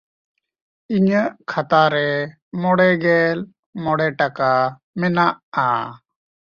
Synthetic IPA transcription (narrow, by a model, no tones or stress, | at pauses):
iɲəʔkʰat̪aɾɛ | mɔɽɛɡɛl | mɔɽɛʈaka | mɛnaʔa̰